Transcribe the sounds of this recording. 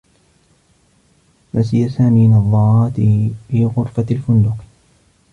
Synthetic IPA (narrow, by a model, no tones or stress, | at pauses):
masɪjasaːmiːnɑðˤːɑɾˤɑːt̪fiːɣʊɾˤfaalfʊnd̪ʊq